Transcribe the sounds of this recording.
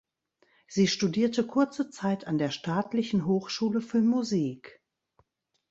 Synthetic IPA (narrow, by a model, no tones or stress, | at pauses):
z̥iːʃtudiːɐtəkʰʊɐt͡sət͡saɪtʰandeːɐʃtaːtʰlɪçn̩ɦoːxʃuːləfyːɐmuziːk